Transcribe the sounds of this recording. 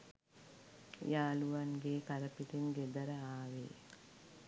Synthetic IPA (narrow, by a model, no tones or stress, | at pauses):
jaːluʋaŋɡeːkaɾəpiʈeŋɡed̪ɐɾəaːʋḛː